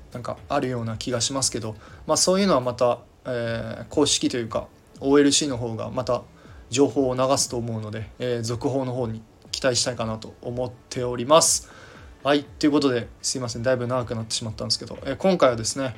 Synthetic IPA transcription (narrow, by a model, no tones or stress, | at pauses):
nãŋka̰aɾɯ̟jo̞ːnakʲiɡaɕimasɨ̥ke̞d̪o̞maːso̞ːjɯ̟no̞βamat̪a | eːkʰo̞ːɕi̥kʲit̪o̞jɯ̟ːka̰ | o̞ːe̞ɾɯ̟ɕiːno̞ɦo̞ːɡa̰mat̪a | d͡ʑo̞ːho̞ːnaɡasɨ̥t̪o̞ːmo̞ɯ̟no̞d̪e̞eːzo̞kɯ̟ɦo̞ːno̞ɦo̞ːɲ̟i | kʲi̥t̪aiɕi̥t̪aikanat̪o̞̰ːmot̪ʰːe̞o̞ɾʲimasɨ̥hait̪ːe̞jɯ̟ko̞t̪̬o̞d̪e̞sɨimas̬ẽ̞nd̪aibɯ̟naɡakɯ̟nat̪ːe̞ɕimat̪ːãnd̪esɨ̥keo̞̰ʔeːkõ̞ŋkaiβad̪e̞sɨne̞